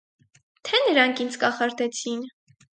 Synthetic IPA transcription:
t̪ʰɛnəɾɑŋkʰind͡zkɑχɑɾd̪ɛt͡sʰin

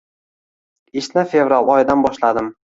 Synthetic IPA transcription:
ɪʃnɪfevɾalˠɒjd̪anbɒʃlad̪ɪm

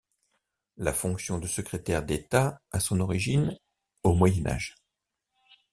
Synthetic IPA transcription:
lafɔ̃ksjɔ̃d̪əsəkχet̪ɛʁd̪et̪aasɔ̃nɔʁiʒin | omwajɛna̰ʒ

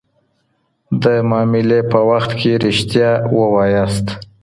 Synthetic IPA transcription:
d̪əmɑmɪlepəwaxt̪kʰeɾɪʃt̪jɑwəwɑjast̪

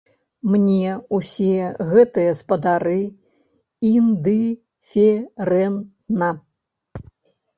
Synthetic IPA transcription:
mnʲɛusʲiɣɛt̪ɨjɐspɐd̪aɾɨ | ind̪ɨ | fʲɛɾɛn | na

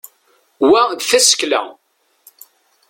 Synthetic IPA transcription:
wæðθæsə̥klæ̰

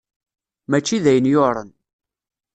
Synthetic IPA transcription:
mæt͡ʃːiðæjənjoɾˤə̰n

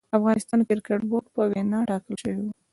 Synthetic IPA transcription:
afɣɑnɪst̪ɑnkɪɾkaʈboɾɡ̚pəwenɑʈɑkəlʃəwiwa

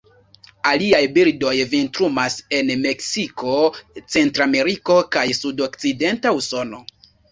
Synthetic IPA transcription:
aliajbildo̞jvintɾumase̞nme̞ksiko̞t͡se̞ntɾame̞ɾiko̞kajsudo̞kt͡side̞ntauso̞no̞̰

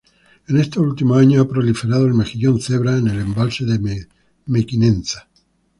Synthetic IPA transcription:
enest̪eult̪imoaɲoapɾolifeɾað̞oelmexiʎonθeβɾaene̞lembalseðe | mekinẽnθḁ

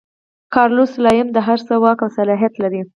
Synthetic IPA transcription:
kɑɾluslɑjɪmd̪əɦaɾsəwɑkawsalɑɦijat̪laɾi

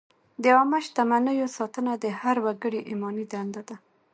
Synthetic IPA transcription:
d̪əɑmaʃt̪amanəjosɑt̪ənad̪əhaɾwaɡəɽiʔimɑnid̪and̪ad̪a

